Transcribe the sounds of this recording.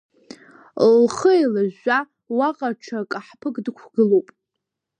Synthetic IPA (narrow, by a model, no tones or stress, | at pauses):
lχəelaʒa | waqʼaʈ͡ʂʰakʼaħpʰɨkʼdɨkʷʰɡɨlowpʼ